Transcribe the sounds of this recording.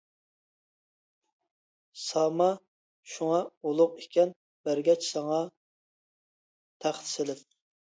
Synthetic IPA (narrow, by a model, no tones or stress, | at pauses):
sɑmɑ | ʃuŋɑolˠʊqekʲɛn | b̥æɾɡʲɛt͡ʃsɑŋɑ | t̪ʰæχt̪ʰsɪlɪp̚